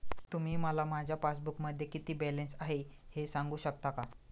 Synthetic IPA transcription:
t̪um̤iːməlamad͡ʑʱjapasbukməd̪ʱːjekit̪iːbɛlensaɦehesãŋɡuːɕəkt̪aka

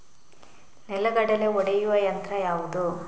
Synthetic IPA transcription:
nɛlːɐɡɐɽɐleɔɽejuʋɐjɐnt̪ɾɐjaːʋud̪u

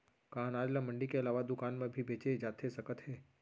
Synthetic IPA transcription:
kaːnaːd͡ʒlamə̃ɳɖikeɐlaːʋad̪ʊkaːnmẽbʱibʱeːt͡ʃed͡ʒaːt̪ʰesəkət̪ɦeː

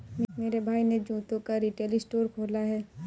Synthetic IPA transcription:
mmeːɾebʱaːined͡ʒũːt̪õkaɾiʈeːlisʈoːɾkʰoːlaɦɛː

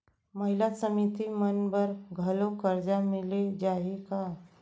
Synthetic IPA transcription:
məɦilasəmit̪imənbəɾɡʱəlokəɾd͡ʒamɪled͡ʒaɦika

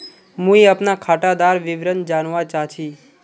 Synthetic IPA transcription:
mũiapnakʰaʈad̪aɾʋɪʋɾənd͡ʒanʋãt͡ʃat͡ʃʰi

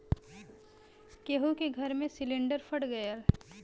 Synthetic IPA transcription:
keɦukeɡʱəɾmẽsɪlɪ̃ɳɖəɾfʰəɽɡəjal

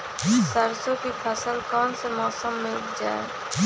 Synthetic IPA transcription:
səɾsõkipʰəsəlkɔːnsemɔːsəmːɪlʊkd͡ʒa̰ːḛ

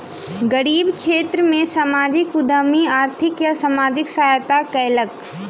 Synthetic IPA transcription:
ɡəɾiːbkʰeːt̪ɾəmẽsamaːd͡ʒɪkʊd̪əmiaːɾt̪ʰɪkjasamaːd͡ʒɪksaːjt̪akəːlək

